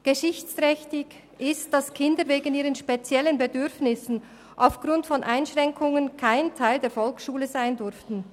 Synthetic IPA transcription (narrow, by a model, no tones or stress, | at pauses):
ɡ̥əʃɪçt͡stʁɛçtɪɡ | ʔɪst̚d̥ɑskʰɪndəɾveːɡən̩iːʁənʃpet͡sjɛlənbedʏʁfnɪsn̩ | ʔa̰ʊfɡ̥ʁʊntfɔnʔaɪnʃʁɛŋkʰʊŋənkʰaɪntʰaɪldeːɐfɔlksʃuːləzaɪndʏɾftn̩